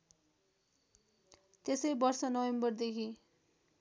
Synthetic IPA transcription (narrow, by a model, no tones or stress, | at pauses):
t̪esʌjbʌrsʌnʌwembʌrd̪ekʰi